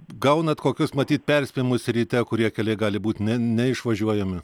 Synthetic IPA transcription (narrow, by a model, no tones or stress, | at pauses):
ɡɐʊnɐt̪koːkʲʊsmɐt̪ʲiːt̪̚ʲpʲɛrʲsʲpʲɛjɪmʊsʲɾʲiːt̪ʲɛkʊɾʲiɛkʲɛlʲɛɪɡɑːlʲɪbuːt̪ʲnʲɛnʲɛɪʃʋɐʒʲuɔjɛmʲɪ